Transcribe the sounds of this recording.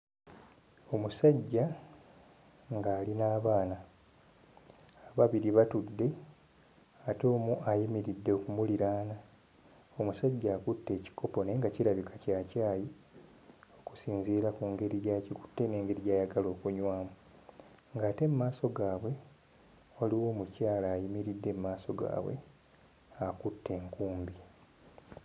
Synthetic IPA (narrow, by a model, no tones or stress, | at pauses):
o̞musaɟːa | ŋɡaːlinaːβaːna | aβaβiɾiβatudːe̞ | ato̞ːmuʔajimiɾidːe̞oːkumuliɾaːna | o̞musaɟːaːkutːe̞ːci̥kʰo̞po̞ne̞ŋɡaciɾaβikʰḁcaːcaːji | o̞ku̥siːnziːɾakuŋɡe̞ɾiaːciku̥tːene̞ːŋɡe̞ɾiɟaːjaɡalo̞ːkuɲwaːmu | ŋɡaːte̞mumaːso̞ɡaːβwe̞ | o̞liwo̞ːmucaːlaːjimiɾidːe̞mumaːso̞ɡa̰ːβwḛ | akutːe̞ːŋkuːmbi